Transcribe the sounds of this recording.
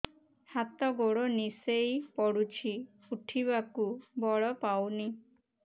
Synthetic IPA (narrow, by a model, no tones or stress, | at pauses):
hat̪ɔɡoɽonisejpɔɽut͡ʃʰi | uʈʰiβakubɔɭɔpawni